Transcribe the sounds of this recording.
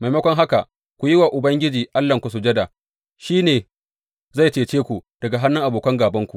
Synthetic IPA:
ma˨jmɐ˦kʷɔ˦ŋɦa˦ka˨ʔ | kʷu˨jɪ˦waː˨ʔʊ˨bɐ˦ŋɡʲɪ˦d͡ʒiː˨ʔa˦lːɐ˨ŋkʷu˨s̬ʊ˨d͡ʒɐ˦da˨ | ʃiː˦neː˨ | za˦˨jt͡ʃeː˨t͡ʃeː˦kʷu˨d̥ɐ˨ɡa˨ɦa˦nːɪ˦ŋʔa˨boː˨kɐ˦ŋɡaː˨bɐ˦ŋkʷu˨ʔ

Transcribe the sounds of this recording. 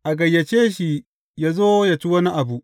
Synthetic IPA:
ʔa˨ɡɐ˨jːa˨t͡ʃeː˦ʃi˦ | ja˦zoː˦ja˨t͡ʃi˦wɐ˦ni˦ʔa˨bu˨ʔ

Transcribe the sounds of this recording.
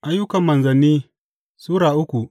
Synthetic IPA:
ʔa˦jːʊ˦kɐ˨mːɐ˨nzɐ˨nːiː˦ | suː˦ɽaː˨ʔʊ˦kʷu˨ʔ

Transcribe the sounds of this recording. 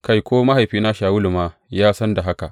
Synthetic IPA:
ka˦jkʷoː˦ma˦ɦa˨jɸiː˦na˦ʃaː˨wʊ˦lu˨maː˦jaː˦sɐ˦nda˨ɦa˦ka̰˨ʔ

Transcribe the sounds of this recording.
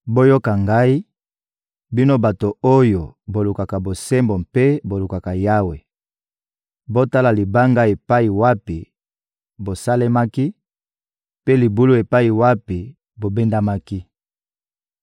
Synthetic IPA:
bo˦jo˦ka˨ŋɡa˦i˦ | bi˦no˦ba˨to˨o˦jo˨bo˨lu˨ka˨ka˨bo˨sɛ˦mbo˨mpe˦bo˨lu˨ka˨ka˨ja˦we˨ | bo˦ta˦la˨li˨ba˦ŋɡa˦e˨pa˦i˨wa˦pi˨ | bo˨sa˦le˦ma˦ki˦ | pe˦li˨bu˦lu˦e˨pa˦i˨wa˦pi˨ | bo˨be˦nda˦ma˦ki˦

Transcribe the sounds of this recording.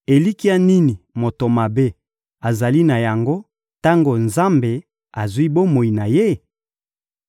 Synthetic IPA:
e˨li˦ki˦a˦ni˦ni˨mo˨to˨ma˨be˦ | a˨za˨li˦na˨ja˨ŋɡo˦ | ta˦ŋɡo˨nza˦mbe˨ | a˨zwi˦bo˦mo˨i˨na˨je˦

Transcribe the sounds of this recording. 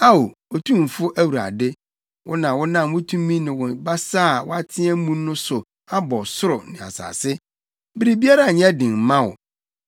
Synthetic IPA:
a˦wo˨o˨tʰũ˦m˨fʊ˦ʔæ˦wu˨ɾa̰˨dɪ˦ | wʔʊ̰˦nã˨wʊ˦nã˨m˨wʊ̃˦tʰũ˦mĩ˦nɪ̃˨wʊ˨ba˦saː˦˨wʊ̰˦a˦tʰɪ̃˦ɛ˦mũ˦nʊ̃˦sʊ˨ | a˦bɔ˨sʊ˦ɾʊ˨nɪ̃˨a̰˨sa̰ː˨sɪ˦ | bɪ˦ɾi˦bi˦a˦ɾa˦˨ɲ˦ɛ̃˦dɪ̃˨m˨mã˦wʊ̰˨

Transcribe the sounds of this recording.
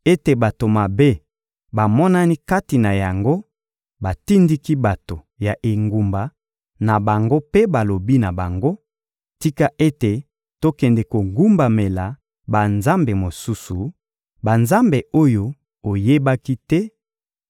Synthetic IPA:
e˦te˨ba˨to˨ma˨be˦ | ba˨mɔ˦na˦ni˦ka˦ti˨na˨ja˨ŋɡo˦ | ba˨ti˦ndi˦ki˦ba˨to˨ | ja˨ʔe˨ŋɡu˨mba˨ | na˨ba˨ŋɡo˦pe˦ba˨lo˨bi˦na˨ba˨ŋɡo˦ | ti˦ka˦ʔe˦te˨ | to˦kɛ˨ndɛ˨ko˨ɡu˦mba˨me˨la˨ | ba˨nza˦mbe˨mo˨su˦su˨ | ba˨nza˦mbe˨o˦jo˦ | o˨je˦ba˦ki˦tɛ˦

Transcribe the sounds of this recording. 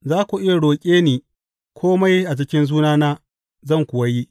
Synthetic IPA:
zaː˦kʷu˨ʔɪ˦ja˨ɽoː˨kʲʼeː˦niː˨ | kʷʰoː˦ma˦jʔa˨d͡ʒɪ˦kʲɪ˦nzuː˦naː˦naː˦ | zɐ˦˨ŋkʷʊ˨wa˦ji˦

